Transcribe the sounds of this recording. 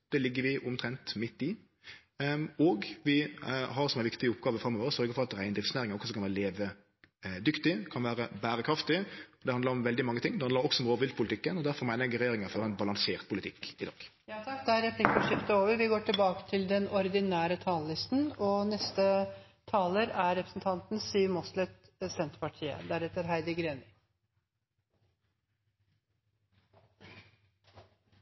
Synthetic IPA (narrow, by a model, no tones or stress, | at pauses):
d̪̥ɛːlɪɡːəɾʋɪʔʊmt̪ʰɾɛnt̪mɪt̪ːɪ | ɔːɡʋɪɦɑɾsɔmæɪʋɪkt̪ɪəʊpɡɑːʋəfɾɑmːoʋəɾsœɾɡəfɔʁɑt̪ɾæɪnd̪ɾɪfsneːɾɪŋəɔkʰsɔmkɑnʋæːɾəleːʋə | d̪ʏkt̪ɪkʰɑnʋæːɾəbæːɾəkʰɾɑft̪ɪɔd̪ɛɑnd̪əɾɔmʋɛld̪ɪmɑŋːət̪ɪŋːd̪ɛhɑnd̪əɾɔksɔɔmʁoːʋɪlt̪̚pʰʊlɪt̪ɪkːənɔd̪æɾfɔɾmæɪnəɡəɾɛjeːɾɪŋəfɔɾɛɪnbɑlɑŋseːʁt̪̚pʰʊlɪt̪ʰɪkːɪd̪ɑ̰ːɡ̥jɑːt̪ʰɑkd̪ɛæɾɛpʰlɪkːəʂɪft̪əoːʋəɾʋɪɡoːʈɪlbɑːkə̥t̪ʰɪld̪ɛnɔɾɪd̪ɪnæːɾət̪ʰɑːllɪst̪n̩ɔnɛst̪ə | t̪ʰɑːləɾæɾɾɛpɾəsn̩t̪ʰɑnt̪n̩siːmɔslɛt̪ | sɛnt̪pɑʈʰiːə̰d̪æɾɛt̪əɾɦæɪd̪əɡɾeːnɪ